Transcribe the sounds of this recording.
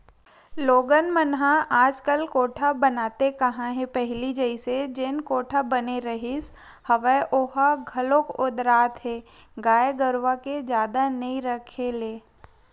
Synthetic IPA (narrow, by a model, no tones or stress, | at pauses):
loːɡənmənɦãaːd͡ʒkəlkoːʈʰabənaːt̪ekɐɦãɦɛ̃pɛɦlid͡ʒəɪsed͡ʒenkoːʈʰabɐneɾɐɦɪs | hɐʋəʔʊɦaɡʱɐlokʊd̪ɾaːt̪ɦɛː | ɡaːeɡəɾʋaked͡ʒjaːd̪anɐĩɾəkʰeleː